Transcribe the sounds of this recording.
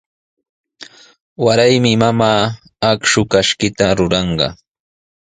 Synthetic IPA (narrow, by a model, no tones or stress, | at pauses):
waɾajmɪmamaː | akʃʊkaʃkɪt̪aɾʊɾɑɴɢɑ̰